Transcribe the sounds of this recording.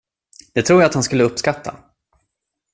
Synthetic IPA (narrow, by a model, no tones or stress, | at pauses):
d̪̥ɛt̪ʰɾuːjaat̪hanskɵlːəɵpːskat̪ʰːa̰